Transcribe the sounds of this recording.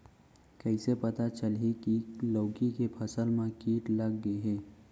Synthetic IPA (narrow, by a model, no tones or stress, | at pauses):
kɛɪsepɐt̪at͡ʃəlekiloːkikepʰɐsəlmẽkiːʈlɐɡːeɦɛː